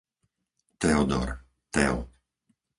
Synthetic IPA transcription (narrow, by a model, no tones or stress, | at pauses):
t̪ɛɔd̪ɔ̰ɾ | t̪ɛɔ